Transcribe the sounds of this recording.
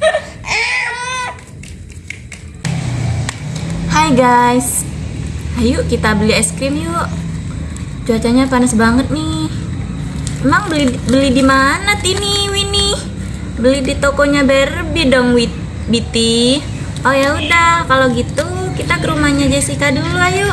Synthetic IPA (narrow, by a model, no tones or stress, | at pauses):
hajɡajs | ajuʔkit̪abəliɛskɾɪmjɔʔ | d͡ʒuat͡ʃaɲapanasbaŋət̪̚nɪh | emaŋbəlbəlidimanat̪iniwinih | bəlihdit̪okoɲabarəbidɔŋwit̪ | bit̪i | ɔjaudahkaloɡit̪u | kit̪akəɾumahɲad͡ʒasihkadəlulahjuʔ